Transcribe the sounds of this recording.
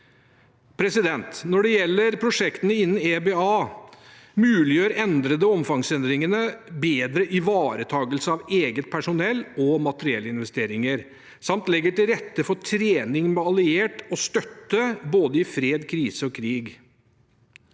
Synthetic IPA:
pʰɾɛsɪd̪ɛnt̪nɔɖɛjɛlːəɾpʰɾʊʂɛkt̪ənəɪnːn̩ebɛɑː | mʉːlɪjøːɾɛnd̪ɾəd̪əɔmfɑŋsɛnd̪ɾɪŋənəbeːd̪ɾəʔɪʋɑːɾət̪ʰɑːɡəlsəɑʋeːɡət̪̚pʰæʂʊnɛlːɔmɑt̪əɾɪɛ̰lːəɪnʋɛst̪eːɾɪŋəɾ | sɑmt̪lɛɡːəʈɪlɾɛt̪ːəfɔt̪ʰɾeːnɪŋmɛɑlɪeːʈɔst̪œt̪ːəboːd̪əɪfɾeːd̪kʰɾiːsəɔkʰɾiːɡ

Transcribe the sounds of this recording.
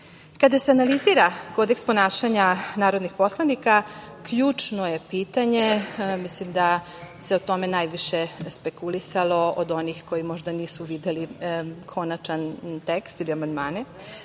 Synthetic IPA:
kad̪aseanaliziɾako̞d̪ekspo̞naːʃaɲanaːɾo̞d̪nixpo̞slˠanikakʎuːt͡ʃno̞je̞piːt̪aɲemislimd̪a | se̞ot̪o̞me̞najʋiʃespe̞kulisalˠo̞od̪o̞nixko̞jimo̞ʒd̪aniːsuʋid̪elikʰo̞nat͡ʃant̪ekst̪iliamand̪maːne

